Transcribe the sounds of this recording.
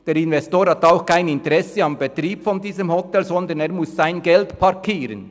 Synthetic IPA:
d̥eːɾɪnvɛstoːɾhɑtaʊxkʰaɪnɪntəɾɛsəɑmbet̪ɾiːbfɔndiːzəmhɔtɛlzɔnd̪əneːɾmʊsːaɪnɡɛltpʰɑɾkʰiːɾə̰n

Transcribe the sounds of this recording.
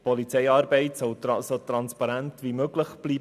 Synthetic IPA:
pʰɔlit͡sɛɪɑːɾbɛɪtsɔwt̪ɑsot̪ɾɑnspɑɾæntʋimøɡləχb̥liːb

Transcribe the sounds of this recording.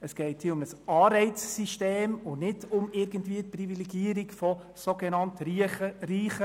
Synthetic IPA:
əsɡ̥ɛɪthiːʊmnəsɑːɾɛɪt͡sːiʃteːmʊnɪdʊmɪɾɡəntviːət̚privilɛɡiəɾikfɔ | soɡenɑntəɾiːχə

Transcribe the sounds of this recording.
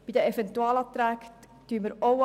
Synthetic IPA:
b̥id̪əefɛnt̪uɑːlɑt̪ɾæːk | t̪yəməɾow

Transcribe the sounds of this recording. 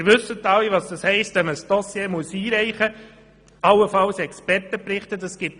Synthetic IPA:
ɾʋɵsːət̪ːɑliʋɑsd̥ɑshɛɪstʋɛməsd̥ɔsjeːmuəsiːɾɛɪχə | ɑlːəfɑlsɛkspɛrtəpɾɪχtədɑsɡ̥ɪt

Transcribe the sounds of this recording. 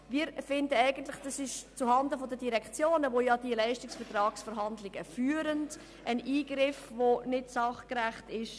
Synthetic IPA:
viːɾfɪndəæɪɡəntlɪχd̥ɑsɪʃt͡suɦɑndəfɔdədiɾɛkt͡sjoːnəʋojɑd̥iəlɛɪʃtɪksfɛɾtrɑːksfɛɾɦɑndlɪɡ̥əfyːəɾənd | ʔəniːɡ̥ɾɪfvonɪtsɑχkɾæχtɪʃ

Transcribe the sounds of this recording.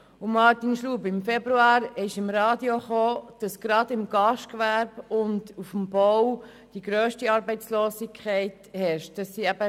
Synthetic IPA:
ʊmɑːtinʃluːbɪmfɛbɾuɑːɾɪʃɪmɾɑːdjoχoːd̥ɑsɡ̥ɾɑdɪmɡɑʃtkʋæɾb̥ʊntufmbɔw | d̥iɡɾøːʃtiɑːɾbɛɪt͡sloːsikʰχɛɪthɛɾʃt̚d̥ɑsːiːæb̥ə

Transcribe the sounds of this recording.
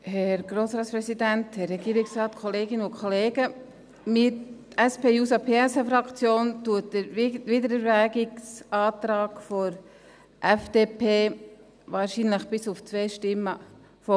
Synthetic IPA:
hɛɾɡ̥ɾoːsɾɑːtspɾɛsid̪ænthɛrːɛɡ̥iːɾɪksɾɑːt̪kʰoleːɡɪnəʊkʰχoleːɡə | mɪɾ | ɛspeːjuːsɑpʰeːɛsɑfɾɑkt͡sjoːntuətdəɾʋɪdəɾɛɾʋæːɡɪksɑːt̪ɾɑːɡfɔɾ | ʔɛfd̥eːpʰeː | ʋɑːɾʃinləχb̥ɪsʊft͡sʋɛːʃtɪmːə | fɔ

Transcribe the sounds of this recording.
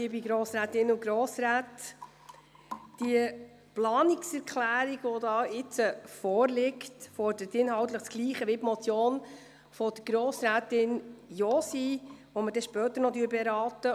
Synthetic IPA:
ibiɡɾoːsɾæːtɪnʊɡɾoːsɾæːt | d̥iə | plɑːnɪksɛɾkʰχlæːɾiɡ̥ʋɔdɑːɪt͡səfɔːrlɪktfɔɾdəɾətɪnɦɑwt̪ləχt͡sɡ̥liːχəʋɪbmɔt͡sjoːn | fɔd̥əɡ̥ɾoːsɾæːtɪnjɔːsiʋɔmədɛʃpœːt̪əɾnɔdyəɾbɛɾɑːtə

